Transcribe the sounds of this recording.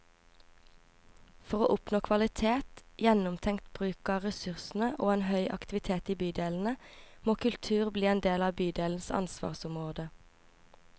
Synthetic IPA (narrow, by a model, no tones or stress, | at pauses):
fɔʁoːʔʊpnoːkʰʋɑlɪt̪ʰeːt̪jɛnʊmt̪ʰɛŋkt̪b̥ʁʉːkɑʁɛsʉʁsn̩əʔoːeːnhœʏʔɑ̰kt̪ɪʋɪt̪ʰeːt̪iːbyːd̪eːln̩əmoːkʉlt̪ʰʉːʁbliːeːnd̪eːlɑːbyːd̪eːln̩sɑ̰nsʋɑ̰ːʁsʊmʁoːd̪ə